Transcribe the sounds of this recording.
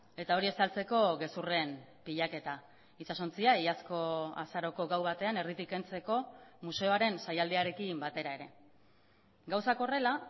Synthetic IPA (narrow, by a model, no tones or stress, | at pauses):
e̞t̪ao̞ɾie̞salt͡seko̞ɣe̞sure̞mpiʎake̞t̪a | isasont͡siaijasko̞a̰saɾo̞ko̞ɣawβat̪e̞ane̞rit̪ike̞nt͡se̞ko̞muse̞o̞aɾe̞nsajald̪eaɾe̞kimbat̪e̞ɾae̞ɾe̞ | ɡawsako̞re̞la